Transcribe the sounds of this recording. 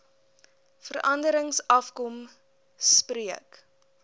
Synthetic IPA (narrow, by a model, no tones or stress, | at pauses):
fəɾɐndəɾəŋsɐfkɔm | spriək